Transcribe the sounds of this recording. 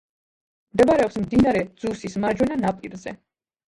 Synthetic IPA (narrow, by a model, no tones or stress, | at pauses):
md̪ɛbaɾɛɔpsmd̪inaɾɛd̪z̥usismaɾd͡ʒwɛnanapʼiɾzɛ̰